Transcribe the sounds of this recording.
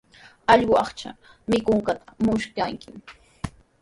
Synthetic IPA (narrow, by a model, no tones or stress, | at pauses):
ɑʎɢʊɑχt͡ʃa̰ | mɪkʊŋkat̪ʰḁmʊʃkaŋkɪm